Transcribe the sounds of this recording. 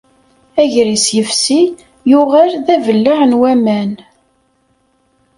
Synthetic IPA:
æʝɾisjəfsi | jʊʁælðævəlːaʁnwæmæn

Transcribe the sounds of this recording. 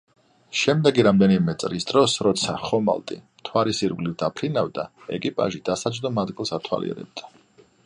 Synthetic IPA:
ʃɛmd̪ɛɡiɾamd̪ɛnimɛt̪sʼɾisd̪ɾɔsɾɔt̪sʰaχɔma̰lˠt̪ʼḭmt̪ʰwaɾisiɾvlivd̪apʰɾinavd̪aɛ̰kʼipʼa̰ʒid̪̥asad͡ʒʼd̪ɔmad̪ɡilˠsat̪ʰwa̰lḭɛ̰ɾɛ̰b̚d̪̥a

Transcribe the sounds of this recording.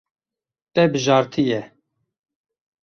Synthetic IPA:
t̪ɛbɨʒɑːɾt̪ʰɨjɛ

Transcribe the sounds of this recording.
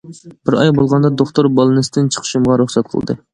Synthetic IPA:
b̥ɪɾɑjbolˠʁɑnd̪ɑd̪oχt̪oɾbɑlˠɨnɨsɨd̪ɨnt͡ʃʰə̥qʰə̥ʃumʁɑɾuχsɛt̪̚qʰə̰lˠd̪ɨ̰

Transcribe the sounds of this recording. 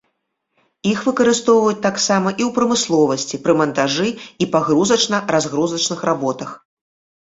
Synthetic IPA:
ixvɨkɐɾɨst̪ɔwvɐjut͡sʲt̪aksamɐʔiwpɾɐmɨslˠɔvɐsʲt͡sʲipɾɨmɐnt̪aʐɨipaɣɾuzɐt͡ʂnɐrazɣɾuzɐt͡ʂnɨxrabɔt̪ɐx

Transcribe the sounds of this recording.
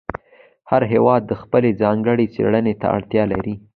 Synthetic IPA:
haɾɦewɑd̪ːəxpəled͡zɑŋɡəɽet͡sḛɽənet̪a̰a̰ɽt̪jɑlaɾi

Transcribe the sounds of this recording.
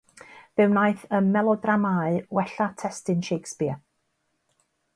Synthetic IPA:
vɨwnajθənmɛlˠɔdramaɨwɛɬatʰɛstɪnʃejkspɪ

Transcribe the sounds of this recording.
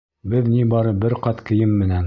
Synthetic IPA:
bɘðnibɑɾɤbɘɾqɑt̪kɘ̆jɘmːɘ̆næn

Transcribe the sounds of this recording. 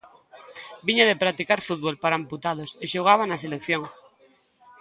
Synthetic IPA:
biɲaðepɾat̪ikaɾfud̪̚βolpaɾaemput̪að̞oseʃoɣ̞aβ̞anaselekθjoŋ

